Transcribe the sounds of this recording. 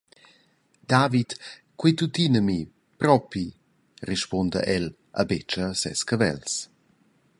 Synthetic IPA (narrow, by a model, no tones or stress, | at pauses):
d̥̪avit̪ | kwet̪utinəmi | pɾɔpi | riʃpɔndə̰ʔɛl | ʔə̰bet͡ʃəsɛ̰skəvɛ̰ls